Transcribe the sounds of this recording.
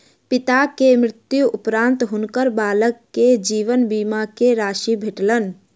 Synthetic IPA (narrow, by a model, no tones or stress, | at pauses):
pɪt̪akemɾɪt̪juʊpɾãːnt̪ɦʊnkəɾbaːləkːed͡ʒiːʋənbiːmakeɾaːʃibʱeʈlən